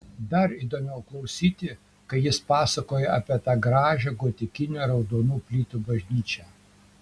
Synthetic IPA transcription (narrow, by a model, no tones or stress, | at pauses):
d̪ɐɾiːd̪oːmʲɛʊklˠɐʊsʲiːt̪ʲɪ | kɐɪjɪspɑːsɐkoːjɛʔɐpʲiɛt̪ɑːɡɾɑːʒʲɛɡoːt̪ʲɪkʲɪnʲuɾɐʊd̪oːnuːpʲlʲiːt̪ubɐʒʲnʲiːt͡ʃʲɛː